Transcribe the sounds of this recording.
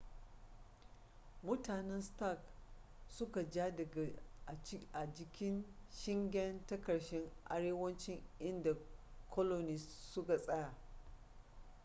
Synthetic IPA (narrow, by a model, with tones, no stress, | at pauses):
mʊ˦taː˨nɛ˦nsta˦˨k | sʊ˦ka˨d͡ʒaː˦dɐ˨ɡa˨˦ | ʔa˨d͡ʒɪ˦kʲɪ˦nʃɪ˦ŋɡʲɛ˦ntɐ˦kɐ˨ɽʃɛ˦ŋʔa̰˦ɽeː˦wɐ˦nt͡ʃɪ˦ŋʔɪ˦nda˨kʰɔ˦lo˨niː˨sʊ˦ka˨sʼɐ˦ja˨